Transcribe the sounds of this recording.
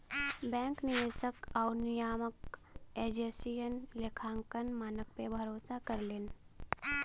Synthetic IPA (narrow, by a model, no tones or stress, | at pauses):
bɛ̃ːŋknɪʋeːsəkaːʊnɪjaːmək | eːd͡ʒeːsijənlekʰaːŋkənmaːnək̚pebʱɐɾoːsakəɾleːn